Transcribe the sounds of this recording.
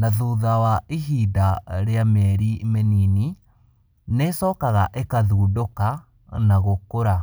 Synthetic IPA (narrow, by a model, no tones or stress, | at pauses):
naðuðawaiɦiːdaɾeamɛɾimenini | nesɔːkaɣaʔekaðuːdoka | naɣokoɾa